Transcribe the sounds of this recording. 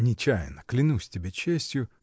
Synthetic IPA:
nʲɪt͡ɕajɪ̰nəklʲɪnusʲtʲɪbʲet͡ɕesʲtʲjʊ

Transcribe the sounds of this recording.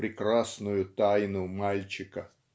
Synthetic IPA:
ɾʲɪkɾasnʊjʊt̪ajnʊmalʲt͡ɕɪkə

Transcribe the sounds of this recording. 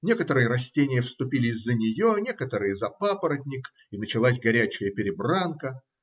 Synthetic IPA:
nʲe̞kət̪əɾɨjəɾɐsʲtʲenʲɪjəfst̪ʊpʲilʲɪzʲzzːənʲɪjonʲe̞kət̪əɾɨjəzɐpapəɾədʲnʲɪk | inət͡ɕɪlˠasʲɡɐɾʲæt͡ɕɪjəpʲɪɾʲɪbrankə

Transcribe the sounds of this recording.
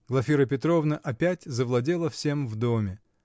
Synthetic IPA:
ɡ̥lˠɐfʲiɾəp̬ʲɪt̪ɾo̞vnəʔɐpʲætʲzəvlˠɐdʲe̞lˠəfsʲe̞mvd̪omʲɪ

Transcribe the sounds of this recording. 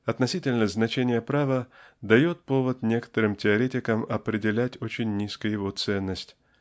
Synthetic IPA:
ɐt̪nɐsʲitʲɪlʲnəznɐt͡ɕenʲɪjəpɾavəd̪ɐjo̞t̪̚po̞vət̪nʲe̞kə̥t̪əɾɨmtʲɪɐɾʲetʲɪkəmɐpɾʲɪdʲɪlʲætʲo̞t͡ɕɪnʲːiskɨjjɪvo̞t̪sɛnːəsʲtʲ

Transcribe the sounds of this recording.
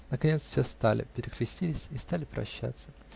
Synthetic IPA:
nəkɐnʲet̪sfsʲest̪alʲɪ̰pʲɪɾʲɪkɾʲɪsʲtʲilʲɪsʲɪst̪alʲɪpɾɐ̰ɕːa̰t̪sə

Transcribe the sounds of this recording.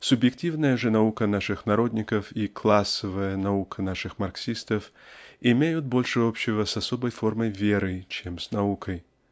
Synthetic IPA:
sʊbjɪktʲivnəjəʐɨnɐukənaʂɨxnɐɾo̞d̪ʲnʲɪkəfiklˠasːəvəjənɐukʰənaʂɨxmɐrksʲist̪əfɪmʲejʊt̪̚bo̞lʲʂɨopɕːɪvəsɐsobəjforməjvʲeɾɨt͡ɕemsnɐukʰəj

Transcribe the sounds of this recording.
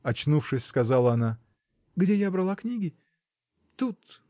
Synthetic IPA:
ɐt͡ɕnufʂɨsʲskɐzalˠəɐna | ɡdʲejabɾɐlˠaknʲiɡʲɪ | t̪ut̪

